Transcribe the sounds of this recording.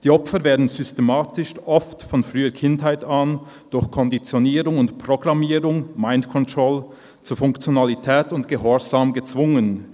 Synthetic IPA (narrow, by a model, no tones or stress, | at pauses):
d̥iːɔpfəɾveːɐdn̩zʏstemaːtɪʃʔɔftfɔnfʁ̥yːəkʰɪntɦaɪtan | d̥ʊɐçkʰɔndit͡sjoniːʁʊŋʊntpʁ̥oɡʁamiːʁʊŋmaɪntkʰɔntʁ̥ɔl | t͡suɐfʊŋkt͡sjonalitʰɛːtʊntɡ̥əhɔɐzaːmɡət͡sv̥ʊŋən